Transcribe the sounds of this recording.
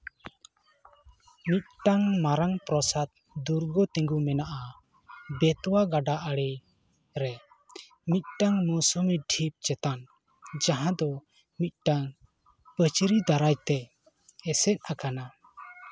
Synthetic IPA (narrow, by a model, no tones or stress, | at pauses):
mit̪̚ʈaŋmaɾaŋpɾɔsat̪̚ | d̪uɾɡɔt̪ɛ̃ŋɡumɛnaʔa | bɛt̪ɔwaɡaɖaʔəɽi | ɾɛ | mit̪̚ʈaŋmɔsɔmiɖʰʱip̚t͡ʃɛt̪an | d͡ʒaɦãd̪ɔ | mit̪̚ˀʈaŋ | pət͡ʃɾid̪aɾajt̪ɛː | sɛt̪̚ˀakana